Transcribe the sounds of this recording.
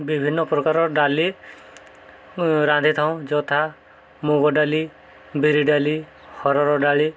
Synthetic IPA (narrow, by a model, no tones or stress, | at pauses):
bibʱinːɔpɾɔkaɾɔɖali | ɾãnd̪ʱit̪ʰaw̃d͡ʒɔt̪ʰa | muɡɔɖali | biɾiɖali | hɔɾɔɾɔɖaɭi